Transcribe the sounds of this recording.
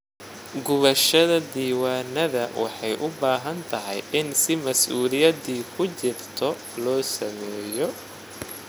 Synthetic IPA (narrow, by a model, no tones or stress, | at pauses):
ɡʊβɐʃɐðɐd̪iːwaːnɐðɐwɑ̰ħɑjʔʊbaːɦɐnt̪ʰɐɦɛjʔɪnsɪmɐsʔuːlɪjɐd̪iːkʰʊt͡ʃɪrt̪ʰɔ | lɔːsɐmɛːjɔ